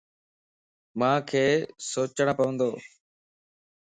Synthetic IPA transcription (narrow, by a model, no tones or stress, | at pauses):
mãːkʰeːsoːt͡ʃəɳ̃pəʋə̃nd̪oː